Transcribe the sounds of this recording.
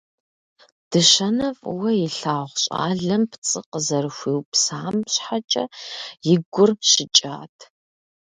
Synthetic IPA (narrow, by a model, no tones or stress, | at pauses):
d̥ɨʃɐnɐfʼwɐjɪɬaːʁʷɕʼa̰ːɮɐmpʰt͡sʼɨqəzɐrɨxʷiːwpsaːmɕħat͡ʃʼɐjɪɡʷʊrɕɪt͡ʃʼa̰ːtʰ